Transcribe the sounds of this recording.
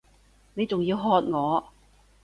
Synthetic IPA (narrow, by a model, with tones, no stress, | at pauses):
ne˨˧jt͡sʊ˨ŋjiː˧wɦɔː˧t̚ŋɔː˨˧